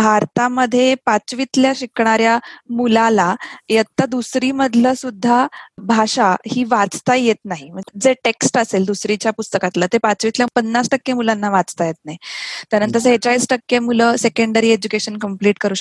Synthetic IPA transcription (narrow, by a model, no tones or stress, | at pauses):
bʱaɾt̪aməd̪ʱːjepat͡sʋit̪ljaɕikɳ̃aɾjamulalajət̪ːəd̪usɾiməd̪ʱləsud̪ʱːabʱaɕahiːʋat͡st̪ajjet̪naɦiməd͡zeʈeksʈəseld̪usɾit͡ɕjapust̪əkat̪lət̪epat͡sʋit̪ljapənːasʈəkːjemulanːaʋat͡st̪ajet̪̚naɦit̪əɾənt̪əs̬əɦet͡ɕaisʈəkjemuləsekəɳɖəɾiːed͡ʑukeɕənkəmpliːʈkəɾuː